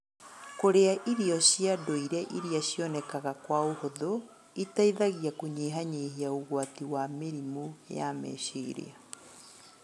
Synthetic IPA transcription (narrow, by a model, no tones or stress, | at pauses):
koɾeaʔiɾiɔɕijadoiɾɛʔiɾiaɕjɔnɛkaɣakwaohoðo | itaiðaɣijakoɲeːɦaɲeːhiauɣwatiwameɾimujamɛ̰ɕeːɾḛa